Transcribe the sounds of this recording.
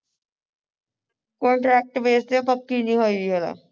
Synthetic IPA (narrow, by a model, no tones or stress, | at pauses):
koːɳʈɾeːk̚ʈbeːst̪epəkːiːnĩɦoːiiɦəla̰